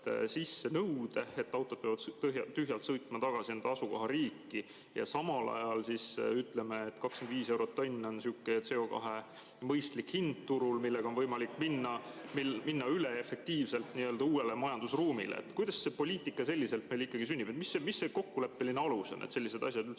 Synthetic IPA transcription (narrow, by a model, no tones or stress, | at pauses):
t̪sisːe̞nɤwd̪̥e̞et̪ːɑwt̪ːˑo̞d̪̚peɑvɑd̪t̪ɦjɑt̪ːyɦjɑlt̪sɤjt̪ˑmɑt̪ɑɡ̥ɑsinend̪̥ɑɑsuko̞ɦɑɾiːkːi | jɑ̰sɑmɑlʔɑ̰jɑlsisyt̪ˑle̞meːt̪ːkɑkskend̪viːse̞wɾot̪ːonʲːo̞nsukːˑet̪se̞o̞kɑ̰ɦe | mɤjst̪likhind̪t̪uɾulmilːeɡɑo̞nvɤjmɑlikːminːɑmiminːɑyleefe̞k̚t̪iːvse̞lt̪niøld̪ɑuːe̞le̞mɑjɑnd̪̥usruːmḭlḛḛt̪ːkujd̪̥ɑsse̞po̞lʲiːt̪ˑikːˑɑse̞lʲːiselt̪me̞jlikːɑɡ̥is̬ynʲːib̥et̪misːemisːe̞ko̞kːule̞pːelineɑlusonʔḛt̪se̞lʲːise̞d̪̥ɑsʲjɑd̪ylt̪